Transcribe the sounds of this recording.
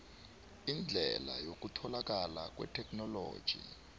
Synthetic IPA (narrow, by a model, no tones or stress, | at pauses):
ind͡ɮʱɛlajok̬utʰɔlak̬ala̰k̬ʼwɛ̰tʰɛkʰʼnɔlo̰ːd̥ʒ̥ʱḭ